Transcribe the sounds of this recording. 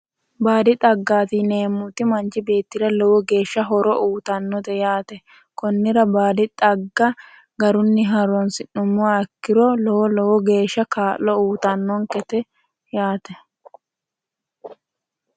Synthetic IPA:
baːd̪ɪt̪ʼɐɡːaːt̪ɪneːmːʊt̪ɪmɐnt͡ʃːɪbe̞ːt̪ːɪɾɐlɔwɔɡe̞ːʃːɐɦɔɾɔʔuːt̪ɐnːɔt̪ɛjaːt̪ɛ | kɔnːɪɾɐbaːd̪ɪt̪ʼɐɡːɐ | ɡɐɾʊnːɪɦɐɾɔnsɪnːʊmːɔkːɪɾɔlɔwɔlɔwɔɡe̞ːʃːɐkaːlːɔuːt̪ɐnːɔŋkɛt̪ɛ | jaːt̪ɛ

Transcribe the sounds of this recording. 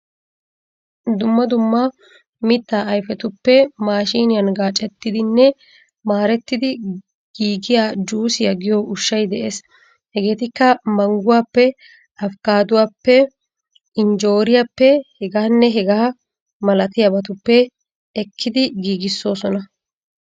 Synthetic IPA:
d̪ʊmːɐd̪ʊmːɐ | mɪt̪ːaːʔɐjfɛt̪ʊpːɛmaːʃiːnɪjɐnɡaːt͡ʃʼɛt̪ːɪd̪ɪnːɛ | maːɾɛt̪ːɪd̪ɪ | ɡ̥iːɡɪjaːd͡ʒuːsɪjɐɡɪjoʔʊʃːɐjd̪ɛʔeːs | hɛɡe̞ːt̪ɪkːɐmɐŋɡʊwaːpːɛ | ɐfkaːd̪ʊwaːpːɛ | ɪnd͡ʒo̞ːɾɪjapːɛhɛɡaːnːɛɦɛɡɐːɐ | mɐlɐt̪ɪjɐbɐt̪ʊpːɛ | ɛkʰːɪd̪ɪɡiːɡɪsːo̞ːsɔnɐ

